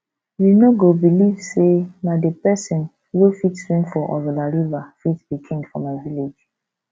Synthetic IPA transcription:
junoɡobiliv̥senadepɛsɔ̃n | wofitsɹĩŋfɔʔɔ̰ɾɔlaɹivafitb̥ikʰĩndfɔ̃maviled͡ʒ

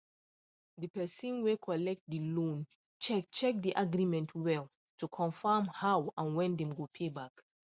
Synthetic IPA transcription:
dipɛsĩnwekʰɔlɛk̚t̚dilõn | t͡ʃɛt͡ʃɛk̚diʔaɡɹimɛ̃ntʰwɛl | tukʰɔ̃nfamhawãnwɛ̃ndɛ̃mɡopʰebak

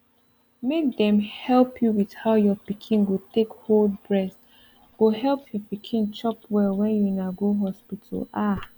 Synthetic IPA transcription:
mek̚dɛ̃mhɛlˠpʰjuwið̥haʊjɔpikʰĩnɡotekholdbɹɛs | ɡ̥oɦɛlˠpʰjɔpikʰĩnt͡ʃɔpwɛlwɛ̃njunaɡoɦɔspitʰə̰la

